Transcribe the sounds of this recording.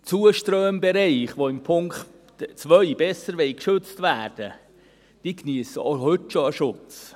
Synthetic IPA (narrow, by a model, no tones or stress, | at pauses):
t͡suəʃtɾøːmbɛɾɛɪχʋoɪmpʰʊŋkχt | t͡sʋœʏb̥ɛsəɾʋɛɪkʃʏt͡stvæːɾd̥ə | d̥ikniəsəohɵtʃoəʃʊt͡s